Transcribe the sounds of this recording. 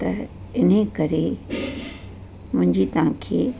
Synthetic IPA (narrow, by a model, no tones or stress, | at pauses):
t̪ɐ | ɪn̤ẽkɐɾe | mʊ̃ɦɪ̃ɲd͡ʑit̪ɐʋ̤ãkʰeː